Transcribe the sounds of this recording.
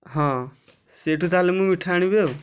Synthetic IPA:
ɦãː | seʈut̪aːlemũmiʈʰaːɽ̃ibe

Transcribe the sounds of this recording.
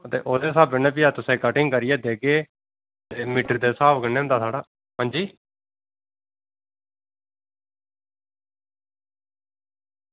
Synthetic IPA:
ət̪ḛːʔoːd̪eːsaːbənẽːpiːaːt̪ʊsẽːkəʈɪŋɡkəɾɪjɛːd̪eːɡeː | t̪eːmɪʈəɾd̪eːsaːbkəneːʊnd̪aːt̪ʰaːɽaː | ɦãːɲd͡ʒiː

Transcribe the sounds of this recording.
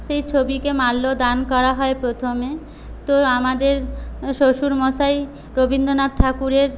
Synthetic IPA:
ʃejt͡ɕʰobikemalːod̪ankɔɾaɦɔepɾot̪ʰome | t̪oamad̪eɾʃoʃuɾmoʃaj | ɾobind̪ʱonad̪̚ʈʰakuɾeɾ

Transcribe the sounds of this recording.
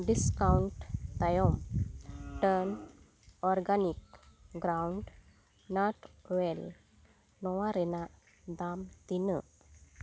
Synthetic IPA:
ɖiskawɳʈt̪ajɔm | ʈəɾn | ɔɾɡanikɡɾawuɳɖ | naʈwel | nɔwaɾena | d̪amt̪inə

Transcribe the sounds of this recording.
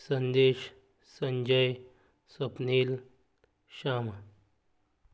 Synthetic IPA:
sɐnd̪eːʃ | səɲd͡ʑəj | sɐpniːl | ʃaːm

